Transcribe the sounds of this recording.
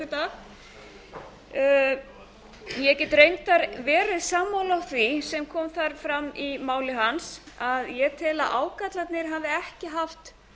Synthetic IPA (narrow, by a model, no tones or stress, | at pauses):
t̪aːx | jɛɛcɛt̪ɾejnt̪aɾvɛːɾɪðsaːmːawlawθvisɛmkʰɔːmθaɾ̥fɾamːimaːwlɪɦansaðjɛt̪ʰɪla̰ʔaːwkat̪lat̪nɪɾ̥ɦavðɪɛhcɪɦaft̪